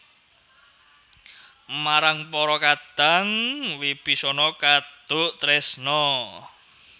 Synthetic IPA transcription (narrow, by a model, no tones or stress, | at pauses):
maɾaŋpɔɾɔkad̪̥a̤ŋwib̥isɔnɔkad̪̥ʊ̤ʔt̪ɾɛsnɔ